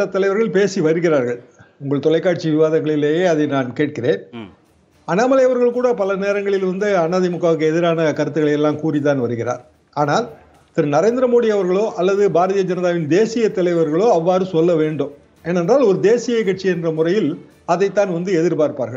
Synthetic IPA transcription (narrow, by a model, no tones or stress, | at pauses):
ɐt̪ːɐlɐɪʋɐɾɣɐɭpeːsiʋɐɾɯɣɪraːɾɣɐɭʊŋɡɐɭt̪ɔlɐɪkːaːʈ̚t͡ʃiʋɪʋaːðɐŋɡɐɭɪleːjeːɐðɐɪnaːnkeːʈ̚kɪreːn | ɐnaːmɐlɐjɐʋɐɾɣɐɭkuːɽɐpɐlɐneːɾɐŋɡɐɭɪlʋɐnd̪ɯɐnːaːðɪmʊkːaːʋɯkːɯɛðɪɾaːnɐkɐɾɯt̪̬ːɯɣɐɭɐjɛlːaːmkuːrit̪aːnʋɐɾɯɣɪra̰ːɾ | aːnaːl | t̪ɪɾɯnɐɾeːnd̪ɪɾɐmoːɽɪjɐʋɐɾɣɐɭoːʔɐlːɐðɯbʱaːɾɐðijɐd͡ʒɐnɐðaːʋɪnd̪eːsɪjɐt̪ːɐlɐɪʋɐɾɣɐɭoːɐʋːaːɾɯsɔlːɐʋeːɳɖɯm | ɛnɛndraːlɔɾɯd̪eːsɪjɐkɐʈ̚t͡ʃːiɛndrɐmʊrɐjɪl | ɐðɐɪt̪ːaːnʋɐnd̪ɯɛðɪɾpaːɾpaːɾɣɐɭ